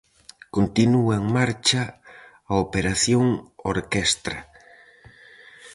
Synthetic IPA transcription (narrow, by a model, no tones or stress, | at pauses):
kont̪inuaeŋmaɾt͡ʃaː | opeɾaθjoŋoɾkest̪ɾa